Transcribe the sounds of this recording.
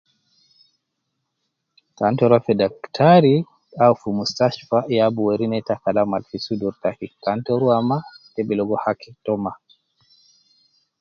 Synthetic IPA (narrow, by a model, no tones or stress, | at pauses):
kantɔɾafɛdaktʰaɾi | awfumustaʃfajabuwaɾinɛtakalamalfisuduɾtakikantɔɾuamatɛbilɔɡɔhakitɔma